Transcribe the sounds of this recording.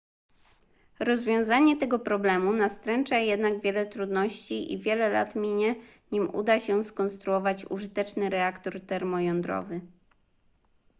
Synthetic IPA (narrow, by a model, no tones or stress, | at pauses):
ɾɔzvʲjɔ̃w̃zaɲɛt̪ɛɡɔpɾɔblɛmunast̪ɾɛnt͡ʂajɛd̪naɡvʲjɛlɛt̪ɾud̪nɔɕt͡ɕiʔḭvʲjɛlɛla̰t̪mʲiɲɛ | ɲimṵd̪aɕɛskɔnst̪ɾuɔvat͡ɕṵʐɘt̪ɛt͡ʂnɘɾɛakt̪ɔɾt̪ɛɾmɔjɔnd̪ɾɔ̰vɘ